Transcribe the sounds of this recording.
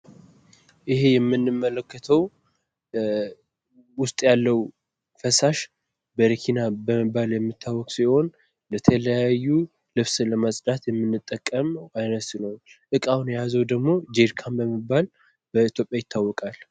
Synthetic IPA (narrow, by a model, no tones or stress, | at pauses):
ʔɪhe̞jɛmːɨnːɨmːələkːət̪ʰəw | wʊst̪ʼjalːəw | fəsaʃ | bəɾikʰinabəməbaljɛmːɨt̪ʰːawːɔkʼsiho̞n | lət̪ʰələjajːu | lɨβsləmasʼd̪at̪jɛmːɨnːɨt̪ʼːəkʼːəmajnəsnəwʔɨkʼawnjɛjazəwd̪əɡmo̞d͡ʒeɾkʰambəmɨbal | bəit̪ʰjo̞pʼjajɪt̪ʰːawːɔkʼal